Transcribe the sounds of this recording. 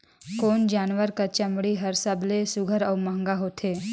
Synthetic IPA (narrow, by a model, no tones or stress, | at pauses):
koːnd͡ʒaːnʋəɾkat͡ʃəmɽiɦəɾsəblesʊɡʱəɾɔːməŋɡaɦoːt̪ʰeː